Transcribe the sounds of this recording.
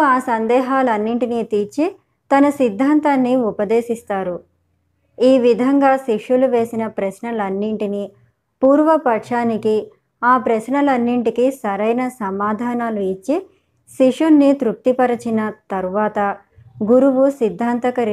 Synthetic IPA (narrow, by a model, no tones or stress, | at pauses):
aːsɐnd̪ɛːɦaːlɐnːiɳʈinit̪iːt͡ʃi | t̪ɐnɐsid̪ʱːaːnt̪aːnːiupɐd̪eːʃist̪aːɾu | iːʋid̪ʱɐŋɡaːʃiʂuluʋe̞ːsinɐpɾɐʃnɐlɐnːiɳʈini | puːɾʋɐpɐʈʂaːniki | aːpɾɐʃnɐlɐnːiɳʈikisɐɾɐjnɐsɐmaːd̪ʱaːnaːluit͡ʃːi | ʃiʂunːit̪ɾuk̚t̪ipɐɾɐt͡ʃinɐt̪ɐɾuʋaːt̪ɐ | ɡuɾuʋusid̪ʱːaːnt̪ɐkɐɾ